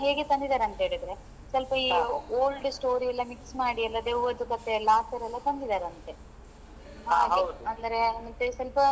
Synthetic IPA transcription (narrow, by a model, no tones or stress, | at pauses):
ɦeːɡet̪ɐnd̪id̪aːɾeɐnt̪ɦeːɭid̪ɾe | sɐlpɐiːoːlɖsʈo̞ːɾiɐlːɐmiksmaːɽiɐlːɐd̪eʋʋɐd̪ukɐt̪ːelaːsʈɐɾɐlːɐt̪ɐnd̪id̪aːɾeɐnt̪e | aeɐd̪ɐɾemɐt̪ːesɐlpɐ